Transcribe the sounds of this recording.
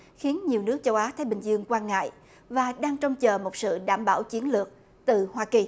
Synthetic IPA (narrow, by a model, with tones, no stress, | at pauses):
xi˨˦ənɲi˨˩əwnɨ˦˥k̚t͡ɕə˧wʔaː˨˦t̪ʰaː˨˦jɓï˨˩ŋ̟zɨ˧əŋkwaː˧nŋa̰ː˧˨j | vaː˨˩ɗaː˧ŋt͡ɕɔ˧wŋ͡mt͡ɕəː˨˩mo˨˩t̚sɨ̰˧˨ɗaː˧˩mɓaː˧˩wt͡ɕi˨˦ənlɨ˨˩ək̚ | t̪ɨ˨˩hwaː˧ki˨˩